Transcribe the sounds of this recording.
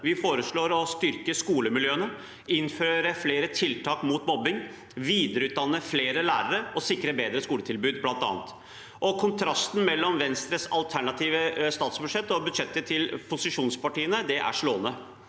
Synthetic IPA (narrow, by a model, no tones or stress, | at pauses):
ʋɪfoːɾəʂɭoːɾɔst̪ʏɾkəskuːləmɪljøːənə | ɪnføːɾəfleːɾət̪ʰɪlt̪ʰɑːkmuːt̪mɔbːɪŋ | ʋiːd̪əɾəʉːt̪̚d̪ɑnːəfleːɾəlæ̰ːɾəɾəɔsɪkːɾəbeːd̪ɾəskuːlət̪ʰɪlbʉːd̪blɑnt̪ɑ̰ːnt̪ | ʔɔkʰʊnt̪ʰɾɑst̪n̩mɛlːɔmʋɛnst̪ɾəsɑlt̪ʰæɳɑt̪ʰiːʋəst̪ɑːt̪sbʉd̪ʂɛt̪ːɔbʉd̪ʂɛt̪ːət̪ʰɪlpʰʊsɪʂuːnspɑʈiːənəd̪ɛʔæ̰ʂɭoːənə